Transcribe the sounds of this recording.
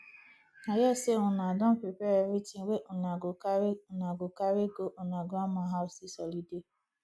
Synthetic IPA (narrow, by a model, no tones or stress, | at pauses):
ajɛseʊnadɔ̃pepeeɾitiweʔʊnanaɡokaɾeɡoʔʊnaɡɔmaɦaʊsisɔlide